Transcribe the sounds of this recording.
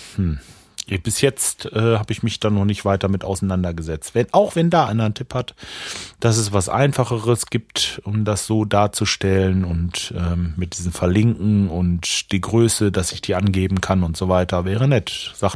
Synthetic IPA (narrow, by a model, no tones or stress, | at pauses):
hm̩ | b̥ɪsjɛt͡stʔɛːhaːbəɪçmɪçd̥aːnɔχnɪçtv̥aɪtɐmɪta̰ʊsanandɐɡəzɛt͡stvɛnʔaʊxv̥ɛndaːʔaɪnɐntʰɪphatd̥as̬ɛsv̥asʔa̰ɪnfaχəʁəsɡ̥iːp̚tʔʊmdasz̥oːdaːɐt͡suʃtɛlənʊntʔɛːmmɪt̚d̥iːzəmfɛɐlɪŋkŋ̩ʊntd̥iːɡʁøːsədasɪçd̥iːʔanɡeːbm̩kʰanʊntz̥oːvaɪtɐvɛːʁənɛtz̥aːχt